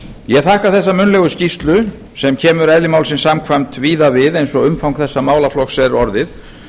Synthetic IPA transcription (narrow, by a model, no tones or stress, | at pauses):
jɛɣθahkaθɛsːamʏnlɛɣʏscist̪lʏ | sɛmcʰɛːmʏɾɛðlɪmaːwlsɪnsamkʰvajmt̪viːðavɪðejnsɔɣʏmfawŋkθɛsːamaːwlaflɔxsɛɾɔɾðɪθ